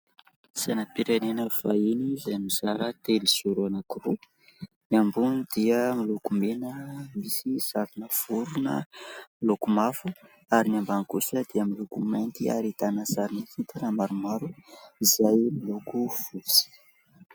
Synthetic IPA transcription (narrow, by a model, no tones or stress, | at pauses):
sanapiɾanenəfainizamiz̥aɾət̪eliz̥uɾuanakiru | niambunid̪iəmilukumenəmisiz̥avinəv̥uɾunə̰milukumafu | aɾinambankusəd̪̥iəmilukumajnt̪ia̰ɾit̪anəsaɾinihit̪anəmaɾumaɾuizajmilukuv̥ut͡si̥